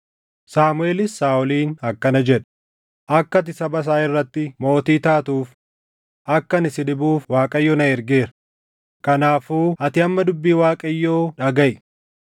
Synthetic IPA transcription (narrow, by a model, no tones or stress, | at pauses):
saːmʊe̞ːlɪsːaːʊliːnɐkːɐnɐd͡ʒɛᶑ | ʔɐkːɐt̪̬ɪsɐbɐs̬aːɪrːɐt̪ːɪmo̞ːt̪iːt̪aːt̪uːf | ʔɐkːɐnɪsɪᶑɪbuːfwaːkʼɐjːoːnɐɛɾɡeːɾɐ | kɐnaːfuːɐt̪ɪɐmːɐd̪ʊbːiːwaːkʼɐjːoːᶑɐɡɐʔ